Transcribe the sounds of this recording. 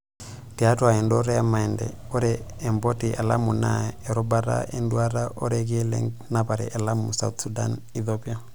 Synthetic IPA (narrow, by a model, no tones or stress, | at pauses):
tiatwaɛndoɾɛamaɛndɛ̰ | oɾɛː | mbotialamuna̰eɾobaɾa̰enduaɾaʔoɾɛɡ̬ilɛ̰ŋɡnapaɾɛ̰ʔelamusa̰ut̪suda̰niθopia